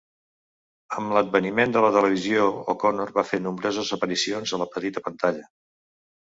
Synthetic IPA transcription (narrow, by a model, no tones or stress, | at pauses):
əmləd̪̚bənimend̪ələt̪ələβ̞iziookɔnorβafenumbɾozəzəpəɾisionzələpət̪it̪əpənt̪aʎə